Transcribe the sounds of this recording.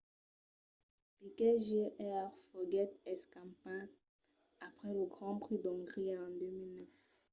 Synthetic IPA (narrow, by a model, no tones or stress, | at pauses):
pikɛʒeʔɛaʁfɔɡɛt̪ɛskɑ̃mpa | apχɛləɡʁɑ̃pχid̪ɔ̃ŋɡʁiɑ̃d̪ømilnɛf